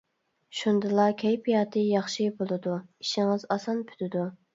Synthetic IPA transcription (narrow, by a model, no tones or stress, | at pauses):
ʃund̪ɨlˠɑkʲʰɛjpʰijɑːt̪ʰɨjɑχʃibolˠɨd̪uiʃɪŋɨzɑsɑnpʰy̥t̪ʰɪd̪u